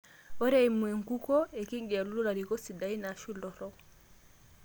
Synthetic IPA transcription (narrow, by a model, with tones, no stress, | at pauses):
ɔ˦ɾɛimwɛ˨ŋku˦kɔ˦ɛ˨ki˦ŋɡɛ˨a˨lu˦lɔ˦la˨ɾikɔ˦si˨dai˦naʃi˦ldɔ˨ɾɔ